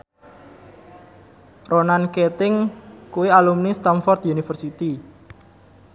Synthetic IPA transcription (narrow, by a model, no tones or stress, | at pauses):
ronanket̪ɪŋkuwialumnist̪amfɔrt̪junifərsit̪i